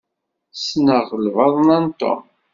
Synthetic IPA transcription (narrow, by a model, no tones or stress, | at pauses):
snəʁəlvɑðˤnɑnt̪o̰m